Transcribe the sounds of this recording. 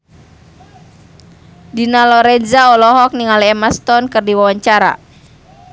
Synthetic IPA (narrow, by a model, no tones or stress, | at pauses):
dinalɔɾɛnzaɔlɔɦɔk̚niŋaliɛmast̪ɔnkɨrdiwawaɲt͡ʃaɾa̰